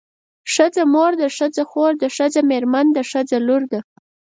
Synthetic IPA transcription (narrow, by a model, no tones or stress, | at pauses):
ʂəd͡zamoɾd̪əʂəd͡zaxoɾd̪əʂəd͡zameɾmand̪əʂəd͡zaluɾd̪a